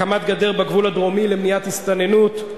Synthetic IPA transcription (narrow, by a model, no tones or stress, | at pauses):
amat̪ɡad̪e̞ʁbaɡvulad̪ʁomilemnijat̪hist̪anenut̪